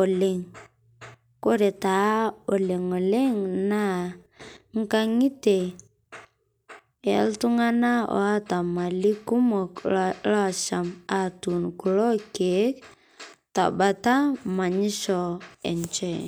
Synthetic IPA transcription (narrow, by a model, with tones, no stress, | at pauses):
o˨le˦ŋ | ko˦ɾe˨ta˨˦o˨le˨ŋo˨le˦ŋna˦ | ŋ̩˦ka˦ŋi˦te˨ | e˨˦ltu˦ŋa˦na˦ɔ̰˨a˦ta˨ma˨li˦ku˦mɔ˨kla˦˨ʃa˨ma˨tu˨nku˨lɔ˦ke˨˦k | ta̰˨ba˨ta˦ma˨ɲi˦ʃɔ˨ɛ̰˨nt͡ʃɛ˦